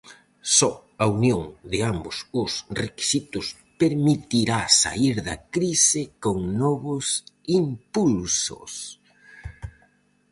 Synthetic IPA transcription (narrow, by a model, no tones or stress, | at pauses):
sɔ | aunjoŋd̪ɪambʊsʊsreki̥sit̪ʊs | peɾmit̪iɾasa̰iɾðɐ̰kɾisɪkoŋnɔβʊs | impulsʊ̰s